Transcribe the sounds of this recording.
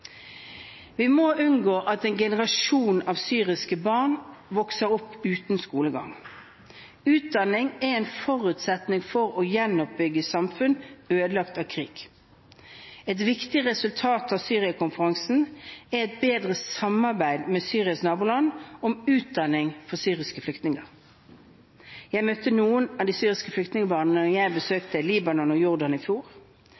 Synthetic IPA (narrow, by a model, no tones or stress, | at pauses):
ʋɪmoːʔʉnɡoːʔɑt̪ɛːnɡɛnəʁɑʃuːnɑʋsyːʁɪskəbɑːʁnʋɔksəɾʊpːʉːt̪n̩skuːləɡɑ̰ŋ | ʉːt̪̚d̪ɑnɪŋɛɛɪnfɔʁʉːt̪sɛt̪nɪŋfɔʁɔjɛnɔp̚bʏɡːəsɑmfʉnøːd̪əlɑkt̪ɑːkʰʁḭːɡ̥ | ɛt̪ʋɪkt̪ɪʁɛsʉlt̪ʰɑːt̪ɑʋsyːʁɪɑkʰʊnfəʁɑŋsn̩æɛt̪̚beːd̪ʁəsɑmːɑʁbæɪd̪mɛsyːʁɪɑsnɑːbuːlɑnɔmʉːt̪̚d̪ɑnɪŋfɔʁsyːʁɪskəflʏkt̪nɪŋəʁ | jæɪmœt̪ːənuːənɑd̪iːsyːʁɪskəflʏkt̪nɪŋəbɑʁnnəjæɪbəsøːkt̪əliːbɑnɔnɔjʊʁd̪ɑnɪfjuːʁ